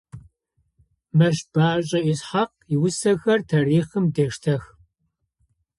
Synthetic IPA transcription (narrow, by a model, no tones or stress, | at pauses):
mɐʃb̥aːɕʼɐʔisħaq | iwsɐxɐrtʰariːχəmdeːʂtʰɐx